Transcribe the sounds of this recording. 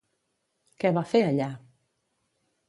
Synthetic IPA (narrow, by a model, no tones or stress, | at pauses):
kɛβafeəʎa